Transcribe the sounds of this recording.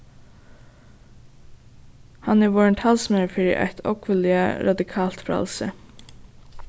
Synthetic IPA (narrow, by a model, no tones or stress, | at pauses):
hɑnæːʋɔːɹəɳt̪ʰɑlsmɛɹəfeːɾə̰ʔæ̰ɪt̪ʰɔ̰kʰʋəlɪə̰ɾʔɑd̪ɪkʰɑːlt̪fɾɑ̰lsə̰